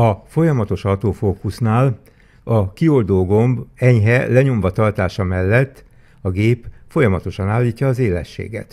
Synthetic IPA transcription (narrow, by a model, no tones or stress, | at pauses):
ɒfo̞jɒmɒt̪o̞ʃɒt̪oːfoːkusnaːl | ɒkio̞ld̪oːɡo̞mbɛɲɦɛlɛɲo̞ɱvɒt̪ɒrt̪aːʃɒmɛlːɛt̪ː | ɒɡeːpfo̞jɒmɒt̪o̞ʃɒnaːlːiːcːɒːzeːlɛ̰ʃːḛːɡɛ̰t̪